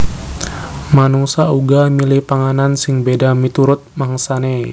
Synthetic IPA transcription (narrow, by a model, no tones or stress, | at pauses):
manusauɡamilɪhpaŋanansɪŋbedamit̪uɾʊt̪̚maŋsane